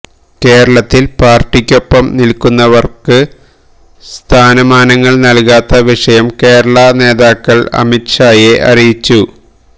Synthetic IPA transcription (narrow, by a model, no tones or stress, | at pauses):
ke̞ːɾɐɭɐt̪ːilpaːrʈːikʲːo̞pːɐmnilkːunːɐʋɐrkɨ | st̪ʰaːnɐmaːnɐŋːɐɭnɐlkaːt̪ːɐʋiʂɐjɐmke̞ːɾɐɭɐne̞ːðaːkːɐɭɐ̰mitʂaːjeʔɐ̰rijit͡ɕːu